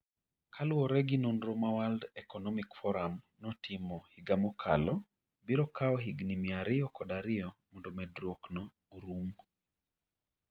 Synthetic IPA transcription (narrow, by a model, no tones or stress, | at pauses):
kʰalʊɔɾɛɡinonɾomawaldɛkɔnɔmikfɔɾam | nɔtɪmɔhiɡamɔkʰa̰lɔ | biɾɔkʰaɔɦiɡnimiaɾɪɔkɔdaɾɪɔmɔndɔmɛdɾwoknɔ | uɾum